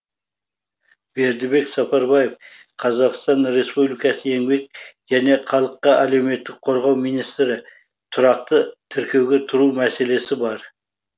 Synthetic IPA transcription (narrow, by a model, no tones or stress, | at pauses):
be̞ɾd̪ɪbe̞ksɑpɑɾbɑjef | qʰɑzɑqst̪ɑnɾe̞spublijkɑsəe̞ŋbe̞k̚ʒæne̞qʰɑlˠəqːɑʔælewme̞t̪ːɪk̚qʰo̞ɾʁɑwmijnijst̪ɾɪ | t̪ʰʊɾɑqt̪ət̪ʰɪɾkʲe̞wɡʲe̞t̪ʰʊɾuwmæse̞le̞sɪbɑɾ